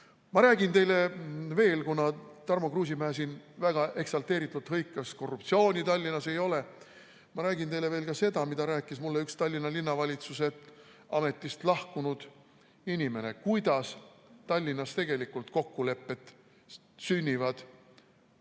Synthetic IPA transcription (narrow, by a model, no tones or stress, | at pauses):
mɑɾæːɡint̪e̞jle̞ve̞ːlkunɑt̪ɑrmokruːs̬imæːs̬invæɡ̥ɑʔe̞ksɑlt̪e̞ːɾit̪ːˑut̪ːɦɤjkːˑɑsko̞rup̚t̪sio̞ːnʲit̪ɑlʲːinːɑse̞jo̞le | mɑɾæːɡint̪e̞jle̞ve̞ːlkɑse̞d̪ɑmid̪ɑɾæːkːˑismulːeykst̪ɑlʲːinːɑlinːɑvɑlʲit̪suse̞ɑme̞t̪ːˑist̪lɑhkunud̪̥ | inʲime̞nekujd̪̥ɑst̪ɑlʲːinːɑst̪e̞ɡ̥e̞likːult̪ko̞kːule̞pːe̞t̪ːˑ | synʲːivɑd̪̥